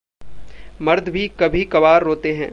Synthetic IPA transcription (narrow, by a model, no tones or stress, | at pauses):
mɐɾd̪ʱbʱikɐbʱikɐbaːɾːoːt̪eɦɛ̃ː